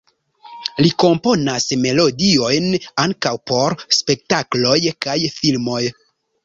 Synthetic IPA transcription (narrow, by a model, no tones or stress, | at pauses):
liko̞mpo̞nasme̞lo̞dio̞jnaŋkawpo̞ɾspe̞k̚taklo̞jkajfilmo̞j